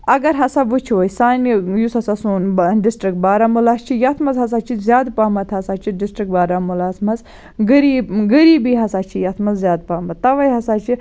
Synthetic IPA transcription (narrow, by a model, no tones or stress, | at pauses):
ɐɡɐɾɦɐsaʋut͡ʃʰʋojsaːnjusɐsɐsuːnbɖisʈɾik̚baːɾɐmulaːst͡ʃʰijɐt̪ʰmɐzɦɐz̬at͡ʃʰizʲjaːd̪paːmɐt̪ɦɐsaːt͡ʃʰiɖisʈɾik̚baːɾɐmulaːt̪ʰmɐz | ɡɐɾiːbɡəɾiːbiɦɐsaːt͡ʃʰijɐt̪ʰmɐzzʲjaːd̪̚paːmɐt̪ːɐʋɐjɦɐsaːt͡ʃʰi